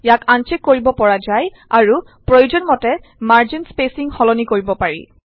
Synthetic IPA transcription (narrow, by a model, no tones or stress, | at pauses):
jakʰant͡ʃekːoɹibɔpɔɹazaj | aɹu | pɹojud͡ʒɔnmɔtɛ | maɹd͡ʒinspesiŋxɔlɔnikoɹibɔpaɹḭ